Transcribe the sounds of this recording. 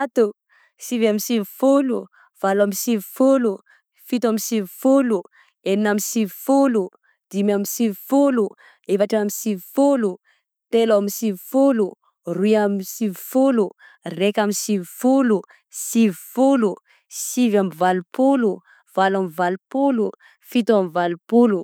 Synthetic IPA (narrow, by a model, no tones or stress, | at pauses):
t̪u | sivamisivifolu | v̥alamisivifolu | fit̪amisivifolu | eninamisivifolu | d̪̥imamisivifolu | evaʈ͡ʂamisivifolu | t̪elaamisivifolu | riamisivifolu | rekamisivifulu | sivfulu | sivamivalupulu | v̥alamivalupulu | fit̪uamivalupulu